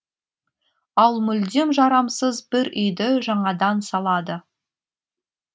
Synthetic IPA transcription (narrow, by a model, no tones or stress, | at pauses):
ɑlˠmʏld̪emʒɑɾɑmsəzbɪɾʏjd̪ɪʒɑɴɑd̪ɑnsɑlˠɑd̪ə